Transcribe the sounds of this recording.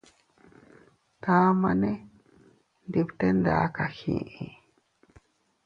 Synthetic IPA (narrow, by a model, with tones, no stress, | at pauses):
ta˦ma˦nɛ˦ | ndi˨bt̪ɛ˦nda̰˨˦ka˨hḭ̃˨ʔi˨